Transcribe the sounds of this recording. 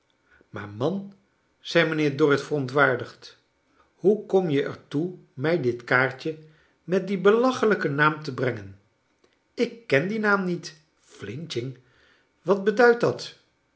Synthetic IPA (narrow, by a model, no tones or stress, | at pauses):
maːɹmɑn | z̥ɛjmənɪːɹdʊrɪtfərɔntʋaːɹdəχt | hukɔmjəʔɛ̰ɹtumɛjdɪtkaːɹt͡ʃə | mɛt̚dibəlɑχələkənaːmtəbrɛŋən | ɪkːɛndinaːmnit | flɪnt͡ʃɪŋ | ʋɑd̚bədœɥt̚dɑt